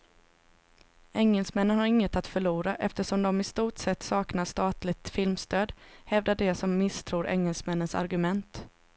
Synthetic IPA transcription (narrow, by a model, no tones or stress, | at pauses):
ɛŋːəlsmɛnːənhaɾɪŋːət̪at̪fœɭuːɾaʔɛft̪əʂɔmd̪ɔmɪst̪uːʈsɛt̪ːsɑːknaʂt̪ɑːt̪lɪk̚t̪fɪlmst̪øːd̪hɛvd̪aɖɛsɔmːɪst̪ʰɾuːɾʔɛ̰ŋːəlsmɛnːənsa̰ɾɡɵmɛnt̪